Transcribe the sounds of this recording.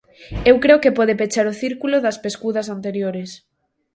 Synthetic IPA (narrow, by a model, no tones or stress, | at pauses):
ewkɾeokepɔðepet͡ʃaɾʊθiɾkuloðɐspeskuðɐsant̪eɾjoɾes